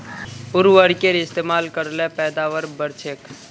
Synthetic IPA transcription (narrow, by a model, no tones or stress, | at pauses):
ʊɾʋəɾkeɾɪst̪eːmaːlkəɾlẽpɛːd̪aːʋəɾbəɾt͡ʃʰek